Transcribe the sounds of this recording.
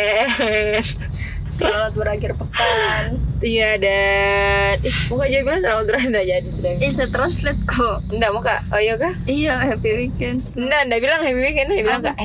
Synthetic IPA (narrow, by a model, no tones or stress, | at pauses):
slalat̪̚bəɾakɪrpəkanijada | t̪imukad͡ʒabilaŋt̪ɾaat̪d̪uɾandad͡ʒadisudaisɛt̪ɾanslɛt̪̚koəndamukaʔojokahijahapiwikɛnsəndandabilaŋhapiwikɛnbilaŋkaʔ